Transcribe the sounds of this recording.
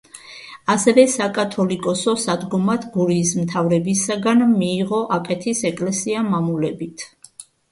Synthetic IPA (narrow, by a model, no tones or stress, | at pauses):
asɛvɛsakʼat̪ʰɔlikʼɔsɔsad̪ɡɔmat̪ʰɡuɾiːsmt̪ʰavɾɛbisaɡanmiːʁɔʔakʼɛt̪ʰisɛkʼlɛsiamamulɛbit̪ʰ